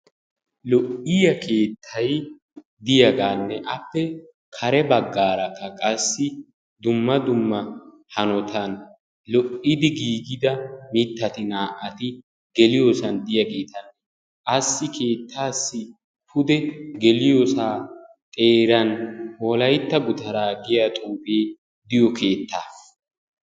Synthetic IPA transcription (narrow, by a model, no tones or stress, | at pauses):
lɔʔɪjɐkʰe̞ːt̪ʰːɐj | d̪ɪjɐɡaːnːɛʔɐpːɛ | kʰɐɾɛbɐɡːaːɾɐkːɐkʼɐsːɪ | d̪ʊmːɐd̪ʊmːɐ | hɐnɔt̪ʰɐn | lɔʔɪd̪ɪɡiːɡɪd̪ɐmɪt̪ːɐt̪ɪnaːʔɐt̪ɪ | ɡ̥ɛlɪjoːsɐnd̪ɪjɐɡe̞ːt̪ɐn | ʔɐsːɪkʰe̞ːt̪ʰːaːsːɪ | pʰʊd̪ɛɡɛlɪjosaː | t̪ʼe̞ːɾɐnwɔlɐjt̪ːɐɡʊd̪ɐɾaːɡɪjat̪ʼuːbeː | d̪ɪjɔkʰe̞ːt̪ːaː